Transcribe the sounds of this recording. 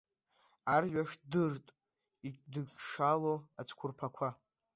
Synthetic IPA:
arɥʷᶣaʂdɨrtʼ | it͡ʃʼdɨɡʂaloat͡sʰkʷʰʊrpʰakʷʰa

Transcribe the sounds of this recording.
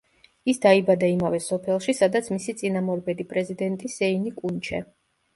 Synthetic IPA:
isd̪aibad̪aimavɛsɔpʰɛlˠʃisad̪at̪sʰmisit̪sʼinamɔɾbɛd̪ipʼɾɛzid̪ɛnt̪ʼisɛinikʼunt͡ʃʰɛ

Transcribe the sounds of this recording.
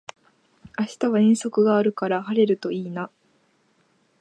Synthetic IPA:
aɕi̥t̪aβ̞aĩɰ̃so̞kɯ̟ɡaːɾɯ̟kaɾahaɾe̞ɾɯ̟t̪o̞iːna

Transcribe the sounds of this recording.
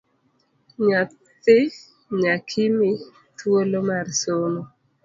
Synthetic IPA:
ɲat | ɪ | ɲakʰɪmɪ | t̪wolomarsono

